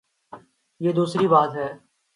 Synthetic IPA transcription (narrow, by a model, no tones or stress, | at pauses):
jeːd̪uːsɾiːbaːt̪ɦɛː